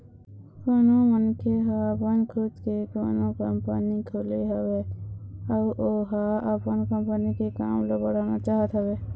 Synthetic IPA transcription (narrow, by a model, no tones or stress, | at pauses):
koːnomənkʰeɦaəpənkʰʊd̪kekoːnõkəmpənikʰoːliɦəʋe | əʔoɦaəpənkə̃mpənikeka̰ːmlobəɽaːnat͡ʃaːɦət̪ɦəʋeː